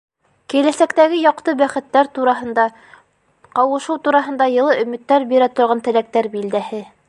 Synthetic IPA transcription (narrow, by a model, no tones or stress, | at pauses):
kilæsækt̪æɡɘjɑqt̪ɤbæχɘ̆t̪ːæɾt̪uɾɑɦɤ̆nd̪ɑ | qɑwɤ̆ʃɤwt̪uɾɑɦɤ̆nd̪ɑjɤ̆lˠɤʔɵ̆mɘ̆t̪ːæɾbiɾæt̪ŏɾʁɑnt̪ɘ̆læk̚t̪æɾbild̪æhɘ